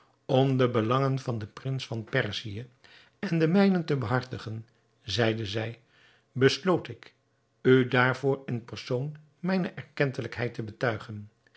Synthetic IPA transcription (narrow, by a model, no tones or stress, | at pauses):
ɔmdəbəlɑŋənvɑndəprɪnsfɑnpɛrzijə | ɛndəmɛjnəntəbəɦɑɹtəχən | zɛjdəzɛj | bəslowtɪk | ydaːɹv̥ʊːɹɪnpərsown | mɛjnəʔɛɹkɛntələkɦɛjtəbətœɥχən